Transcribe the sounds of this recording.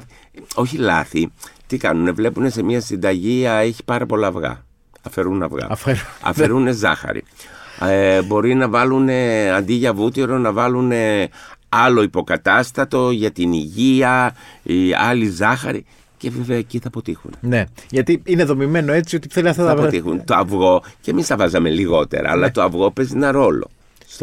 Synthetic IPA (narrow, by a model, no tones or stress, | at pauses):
o̞çilɐ̰θit̪ikɐ̰nune̞vle̞pune̞se̞miɐsind̪ɐʝiɐe̞çi̥pɐɾɐpo̞lɐvɣɐ̰ | ɐfe̞ɾunɐ̰vɣɐ̰ɐfeɾuɐ̰feɾune̞zɐ̰xɐ̰ɾḭ | bo̞ɾinɐvɐlune̞ɐnd̪iʝɐvut̪iɾo̞nɐvɐlune̞ | ɐlo̞ipo̞kɐt̪ɐst̪ɐt̪o̞ʝɐt̪iniʝiɐiɐlizɐxɐɾḭ | ce̞ve̞ve̞ɐeciθɐpo̞t̪ixṵneneʝɐt̪iineðo̞mime̞noe̞t͡siot̪ipθeliɐfɐɐpot̪ixunt̪oɐvɣo̞ce̞mist̪ɐvɐzɐme̞liɣo̞t̪e̞̰ɾɐ̰ːlɐt̪o̞ɐvɣo̞pe̞zinɐɾo̞lo̰ | s